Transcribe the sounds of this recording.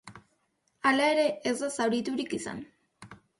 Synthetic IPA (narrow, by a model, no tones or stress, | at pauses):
alae̞ɾe̞ːzd̪asawɾit̪uɾikisa̰n